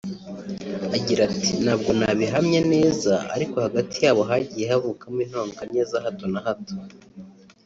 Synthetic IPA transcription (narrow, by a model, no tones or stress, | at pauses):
aɟiɾatʰinaːb̚ɡo̞naβiɦamɲane̞ːzaa̰ɾiko̞haɡatʰijaːβo̞ɦaɟiːje̞havukamiːn̥hoːŋɡane̞ːzaɦato̞nahato̥